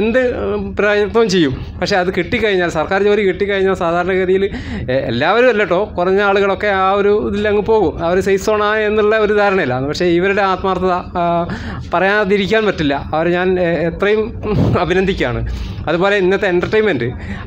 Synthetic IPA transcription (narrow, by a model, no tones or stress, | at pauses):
end̪ɨpɾɐjɐt̪ːɐʋmt͡ɕe̞jːum | pɐkʂeɐðɨkiʈːikːɐɻiɲːaːlsɐrkaːɾoːɾikiʈːikːɐɻiɲːaːlsaːd̪ʱaːɾɐɳɐɣɐɾijil | ḛlːaːʋɐɾumlːɐʈːo̞ːkurɐɲːɨaːɭuɣɐɭo̞kːe̞aːo̞ɾuðilːɐŋːɨpo̞ːɣumɐʋɐɾesejso̞ːɳae̞nːiɭːɐo̞ɾud̪ʱaːɾɐɳɐmilːɐnːɨpɐkʂe̞iʋɐɾuɽe̞aːt̪maːrt̪ʰɐðɐ | pɐrɐjaːnɐðiɾikʲːaːnpɐtːilːɐɐʋɐɾɲaːnet̪rɐjumɐbʱinɐnd̪ʱikʲːa̰ːɳɨ̰ɐðupoːle̞inːɐt̪ːeːnɖɐrʈɐjmendɨ